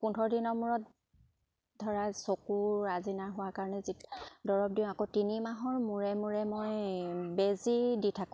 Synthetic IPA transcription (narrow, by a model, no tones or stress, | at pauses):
pundʰʱɔɹdinɔɹmuɹɔt̚ | dʱɔɹasokuːazinaɹɦʊwaɹkaɹɔnɛzidɔɹɔp̚diʊ̃akotinimaɦɔɹmuɹɛmuɹɛmojbeziditʰakʊ̃